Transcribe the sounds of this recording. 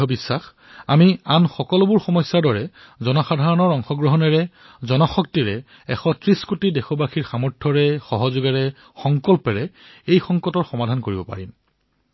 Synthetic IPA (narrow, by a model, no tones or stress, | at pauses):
ɔbisːax | amianxɔkɔlbuɹxɔmɔsːaɹdɔɹɛ | zɔnɔxadʱaɹɔnɔɹɔŋxɔɡɹɔɦɔnɛɹɛ | zɔnɔxɔk̚tiɹɛ | ɛ̰xɔtɹiskotidɛxɔbaxʰiɹxamɔɹtʰːɔɹɛxɔɦɔzʊɡɛɹɛ | xɔŋkɔlpɛɹɛejxɔŋkɔtɔɹxɔmadʱankoɹibɔpa̰ɹim